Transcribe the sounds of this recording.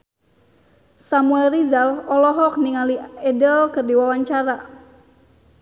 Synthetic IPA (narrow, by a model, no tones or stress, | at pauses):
samuɛlrizalɔlɔɦɔk̚niŋaliɛdəlkɨrdiwawaɲt͡ʃaɾa